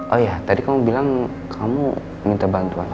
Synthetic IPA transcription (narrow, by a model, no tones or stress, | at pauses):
ʔojat̪adikamubilaŋ | kʰamṵ | mint̪abant̪uan